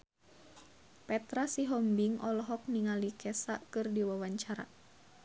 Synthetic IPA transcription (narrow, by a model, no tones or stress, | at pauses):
pɛt̪ɾasiɦɔmbiŋʔɔlɔɦɔk̚niŋalikɛsaʔkɨrdiwawaɲt͡ʃaɾa̰